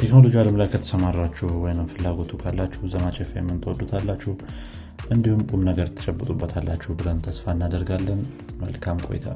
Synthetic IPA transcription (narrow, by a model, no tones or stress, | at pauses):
t̪ʰeknolo̞d͡ʒialəmlajkʰət̪ʰə̥səmarːat͡ʃːuhwɔjnɨmfɨlːaɡo̞t̪ʰukʰalːat͡ʃːɛhzəmat͡ʃʼɛfejɛmːɨnt̪ʰwɔd̪ut̪ʰalːat͡ʃːɛh | ʔɨnd̪ihumkʼumnəɡəɾt̪ʰə̥t͡ʃʼɛbːɨt̪ʼubːət̪ʰalːat͡ʃːɛhbɨlənt̪ʰəsfaɨnːad̪əɾɡalːən | mə̰lkʰamkʼo̞̰jɪ̰t̪ʰa̰